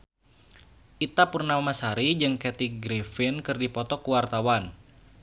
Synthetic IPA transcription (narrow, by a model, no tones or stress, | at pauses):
ʔit̪apurnaamasaɾid͡ʒɨŋkɛt̪iɡɾifɪnkɨrdipɔt̪ɔkuwart̪awan